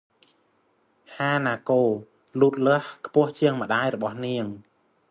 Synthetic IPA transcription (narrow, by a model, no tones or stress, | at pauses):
haːnaːkoː | luːt̪̚ləəhkʰpʊ̆əht͡ɕiəŋmə̆ɗaːjrɔɓɑhniəŋ